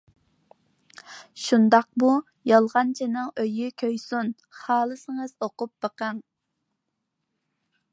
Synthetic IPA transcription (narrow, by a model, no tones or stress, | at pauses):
ʃund̪ɑq̚bu | jɑlˠʁɑnt͡ʃʰinɨŋøjykʲʰøjsun | χɑːlˠɨsɨŋəzoqʊp̚b̥əqəŋ